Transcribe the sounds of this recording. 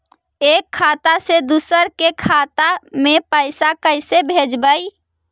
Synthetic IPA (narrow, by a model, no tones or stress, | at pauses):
ekʰːat̪ased̪usəɾkekʰat̪amepəɪsakəɪsebʱed͡ʒbəj